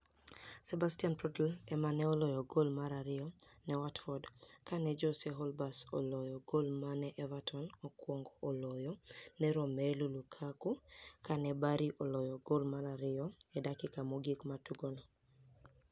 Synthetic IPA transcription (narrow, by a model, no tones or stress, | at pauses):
sɛbastianpɾɔtlɛmanɛɔlɔjɔɡolmaɾaɾɪɔnɛwatfɔdkanɛd͡ʒɔsɛɦɔlbasɔ̰lɔjɔɡolmanɛʔɛvatʰɔnɔkwɔŋɡɔʔːlɔjɔnɛɾɔmelulukʰakukanɛbaɾiʔɔlɔjɔɡolmaɾaɾɪɔɛdakɪkamoɡikmatuɡonɔ